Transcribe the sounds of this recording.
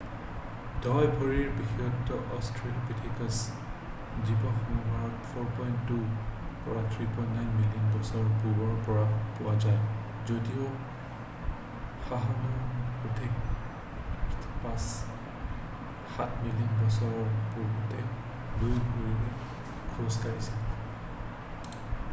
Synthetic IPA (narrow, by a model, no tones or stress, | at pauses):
dɔjbʱɔɹiɹbixiɔtːɔʔɔstʰɹilpitʰikas | zibɔxɔnumaɹɔtfʰɔɹpɔjntːupɔɹatʰɹipɔj̃ntnajnmilijɔnbɔsɔɹɔɹpuɡɔɹpɔɹapʊwazaj | zodio | xaɦanɔputʰek | pãs | xat̚ʰmilijɔnbɔsɔɹɔɹpuɹbɔtɛ | lujɡuɹiɛ | kʰɔɹɔskaɹisɛ